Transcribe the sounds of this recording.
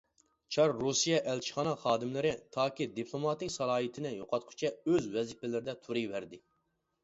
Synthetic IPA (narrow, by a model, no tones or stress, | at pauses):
t͡ʃʰɑɾːusijɛʔɛlt͡ʃʰi̥χɑnɑχɑːd̪ɪmlɪɾɪt̪ʰɑːkʲid̪ipʰlˠomɑt̪ɪkʲsɑlˠɑːit̪ʰɪnɪjoqʰɑt̪̚qʰʊ̥t͡ʃʰɛøzwɛzipɛlɪɾɪd̪ɛt̪ʰuɾivæɾd̪ɪ